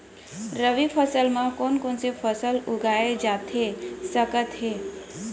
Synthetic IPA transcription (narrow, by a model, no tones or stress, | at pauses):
ɾəʋipʰəsəlmãkoːnkonsepʰəsəlʊɡʱaːed͡ʒaːt̪ɦesəkət̪ɦe